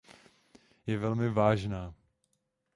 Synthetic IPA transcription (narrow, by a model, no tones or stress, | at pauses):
jɛvɛlmɪvaːʒnaː